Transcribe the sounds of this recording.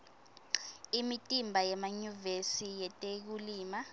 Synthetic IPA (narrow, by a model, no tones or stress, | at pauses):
imitʼimbʱajɛmaɲuvesijɛtʼek̬uliːma